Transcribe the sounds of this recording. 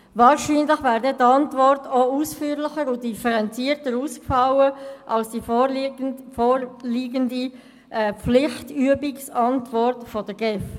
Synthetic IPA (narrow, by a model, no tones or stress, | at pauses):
vɑːɾʃiːnləχvɛːɾdɛtɑntvɔrtousfyːəɾlɪχəɾʊdifəɾɛnt͡siːəɾtəɾuːskfɑwəʔɑlsd̥iː | foɾliːɡəndi | ʔɛːp͡flɪχtyəbiksɑntvɔɾtfod̥əɡɛf